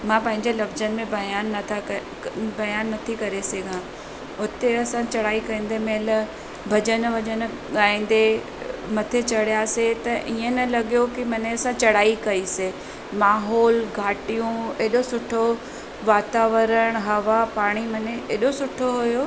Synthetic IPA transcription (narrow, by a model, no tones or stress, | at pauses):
mãːpɐ̃ɦɪ̃ɲd͡ʑelɐfzənɪ̆mẽbɐjaːnːɐt̪ʰa | bɐjaːnːɐt̪ʰikɐɾeseːɡʱã | ʊt̪eɐsãt͡ɕɐɽaːikɐĩːn̆d̪emeːl | bʱɐd͡ʑənʋʱɐd͡ʑən | ɠaːĩːnd̪e | mɐt̪ʰet͡ɕɐɽijaset̪ɐʔiːẽnɐlɐɠijokimɐneɐsãt͡ɕɐɽaːikɐise | maːɦɔːlɡʱaːʈijũeːɗosʊʈʰo | ʋaːt̪aːʋəɾəɽ̃ɦɐʋapaːɽ̃imɐneʔeːɗosʊʈʰoɦʊjo